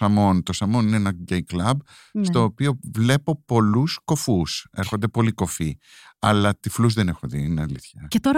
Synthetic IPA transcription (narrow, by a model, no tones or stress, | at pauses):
ɐmo̞nt̪o̞sɐmo̞nineenɐɟejklɐb | st̪o̞ːpio̞vle̞po̞po̞lusko̞fuse̞ɾxo̞nd̪e̞po̞liko̞fi | ɐlɐt̪ifluzðe̞ne̞xoðiinɐliθçɐcet̪oɾ